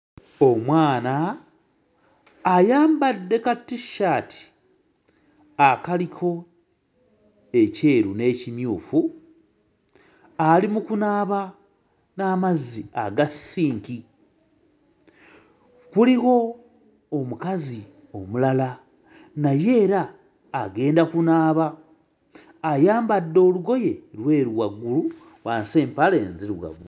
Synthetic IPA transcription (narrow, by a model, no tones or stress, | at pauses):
o̞mwaːna | jaːmbadːe̞katːiʃaːtʰi̥ | akalikʰo̞ | e̞ce̞ːɾune̞ːcimjuːfu | alimukunaːβa | naːmazːiaɡasiːŋki | kuliɣo̞ː | mukazi | o̞mulala | naje̞ːɾaː | ɡe̞ːndakunaːβa | jaːmbadːo̞ːluɡo̞je̞ɾwe̞ːɾwaɡːulu | waːnse̞ːmpale̞ːnziɾwa̰ɡu